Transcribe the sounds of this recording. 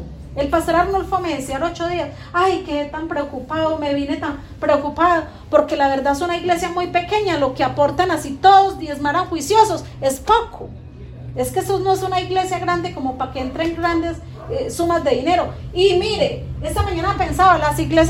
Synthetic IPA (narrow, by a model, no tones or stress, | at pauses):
elpast̪oɾaɾnulfomeðesjaɾo̞t͡ʃoðias | ajkeðet̪ampɾeokupaðome̞βjene̞t̪am | pɾeokupaðo | po̞ɾke̞laβe̞ɾd̪aðesunaiɣle̞sjamujpe̞ke̞ɲalo̞keapo̞ɾt̪anasit̪o̞ðo̞zd̪jezmaɾaŋxwisjo̞so̞s | e̞spokʰo | e̞skesonoesunaiɣle̞sjaɣɾand̪e̞ko̞mo̞pakeent̪ɾeŋɡɾand̪e̞s | esumazd̪e̞ðine̞ɾo̞imiɾee̞samaɲanape̞nsaβalasiɣles